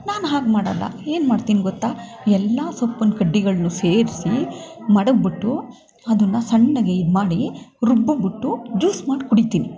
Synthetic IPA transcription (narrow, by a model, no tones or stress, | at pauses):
naːnɦaːɡmaːɽɐ̰lːɐ̰e̞ːnmaːɽt̪iːniɡɔt̪ːaː | ɛlːaːsopːɐnkɐɖːiɡɐɭɐnːuse̞ːɾisimɐɽɐɡbiʈːu | ɐd̪ɐnːɐsɐɳːɐɡeid̪maːɽiɾubːubiʈːud͡ʒuːsmaːɽkuɽit̪iːni